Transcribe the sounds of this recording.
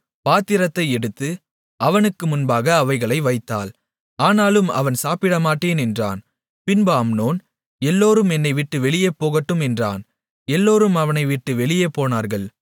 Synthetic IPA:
paːt̪ːɪɾɐt̪ːɐɪɛɽɯt̪ːɯ | ʔɐʋɐnɯkːɯmʊnbaːɣɐːʋɐɪɣɐɭɐɪʋɐɪt̪ːa̰ːl | aːnaːlɯmɐ̰ʋɐnsaːpɪɽɐmaːʈːeːnɛndra̰ːn | pɪnbaːmnoːn | ɛlːoːɾɯmɛnːɐɪʋɪʈːɯʋɛɭɪjɐpːoːɣɐʈːɯmɛndra̰ːn | ɛlːoːɾɯmɐʋɐnɐɪʋɪʈːɯʋɛɭɪjɐpːoːnaːɾɣɐɭ

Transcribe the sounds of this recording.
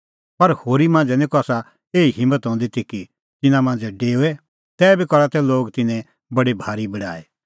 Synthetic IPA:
pɐɾhoːɾimãːnd͡zɛnĩkɔaːsa | eːiɦɪ̃mːət̪ɦɔ̃ːnd̪it̪iki | t̪ɪnãmãːnd͡zɛɖeːuɛ | t̪ɛːbikɔɾat̪ɛloːɡt̪ɪnɛ̃ | bɐɽibʱaːɾibɐɽa̰ːe

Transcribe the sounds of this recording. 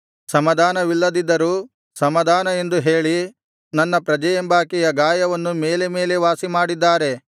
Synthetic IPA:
sɐmɐd̪ʱaːnɐʋilːɐd̪id̪ːɐɾuː | sɐmɐd̪ʱaːnɐe̞nd̪uɦeːɭi | nɐnːɐpɾɐd͡ʒɐjɐmbaːkijɐɡaːjɐʋɐnːume̞ːle̞me̞ːle̞ʋaːsimaːɽid̪ːaːɾe̞

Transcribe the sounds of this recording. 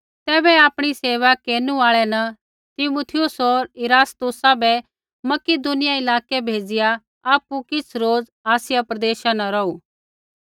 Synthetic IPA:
t̪ɛːbɛaːpɽ̃iseːʋakeːnuaːɭɛnɐ | t̪ɪmut̪ʰɪjʊsoːɾɪɾaːst̪ʊsabɛ | mɐkid̪ʊnɪjaɪlaːkebʱeːd͡zɪja | aːpukɪt͡sʰɾoːd͡z | aːsɪjapɾɐd̪eːʃãnɐɾɔuː

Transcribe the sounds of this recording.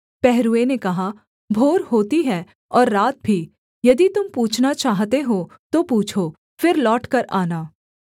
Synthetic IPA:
pɛɦɾuenekɐɦa | bʱoːɾɦoːt̪iɦɛ | ɔːɾːaːt̪̚bʱi | jɐd̪it̪ʊmpuːt͡ʃʰnat͡ʃaːɦt̪eɦo | t̪opuːt͡ʃʰo | fɪɾlɔːʈkɐɾaːnaː

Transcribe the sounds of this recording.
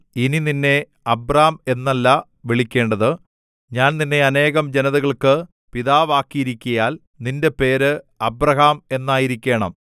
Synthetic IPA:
inininːe̞ | ɐbraɐme̞nːɐlːɐ | ʋeɭikʲːe̞ːɳɖɐðɨ | ɲaːnninːe̞ɐne̞ːɣɐmd͡ʑe̞nɐðɐɣɐɭkɨ | piðaːʋaːkːijiɾikʲːɐjaːl | ninde̞pe̞ːɾɨ | ɐbrɐɦaːme̞nːaːjiɾikʲːe̞ːɳɐ̰m

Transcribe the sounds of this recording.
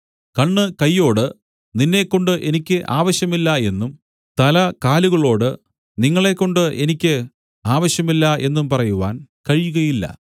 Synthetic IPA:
kɐɳːɨkɐjːo̞ːɽɨ | ninːe̞kːo̞ɳɖɨʔe̞nikʲːɨʔaːʋɐɕjɐmilːɐe̞nːum | t̪ɐlɐkaːluɣɐɭo̞ːɽɨ | niŋːɐɭe̞kːo̞ɳɖɨʔe̞nikʲːɨ | aːʋɐɕjɐmilːɐʔe̞nːumpɐrɐjuʋa̰ːnkɐɻjuɣɐjilːɐ̰

